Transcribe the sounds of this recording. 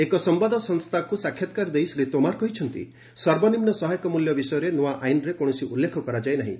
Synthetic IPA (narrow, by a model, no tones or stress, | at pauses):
ekɔsɔmbad̪ʱɔsɔŋst̪ʰakusakʰjɔt̪̚kaɾd̪ejsɾet̪omaɾkɔɦit͡ʃʰɔnt̪ḭ | sɔɾbɔnimnɔsɔɦajɔkɔmuljɔbisɔjɔɾenoaʔajnɾekoɽ̃ɔsiʔulːekʰɔkɔɾad͡ʒajnaɦḭ̃